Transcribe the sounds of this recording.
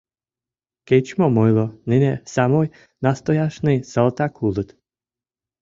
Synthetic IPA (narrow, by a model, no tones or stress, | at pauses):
ket͡ʃmɔmɔjlˠɔnɪnɛsamɔj | nast̪ɔjaʃnɨjsalˠt̪akʰulˠɨt̪